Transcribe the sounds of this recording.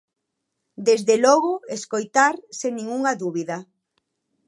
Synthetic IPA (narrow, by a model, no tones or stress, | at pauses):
d̪ezðelɔɣʊeskojt̪aɾseŋnĩŋuŋɐðuβiðɐ